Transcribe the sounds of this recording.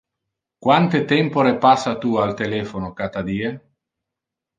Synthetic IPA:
kwant̪et̪ɛmpoɾepasːat̪ualt̪elɛːfonokat̪ad̪iːe

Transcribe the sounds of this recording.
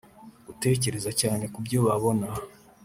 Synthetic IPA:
ute̞ːce̞ɾe̞zacaːne̞kubɟo̞βaβo̞na

